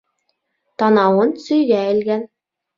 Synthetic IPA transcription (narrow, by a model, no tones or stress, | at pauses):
t̪ɑnɑwɤnsɵ̆jɡæɘ̆lɡæn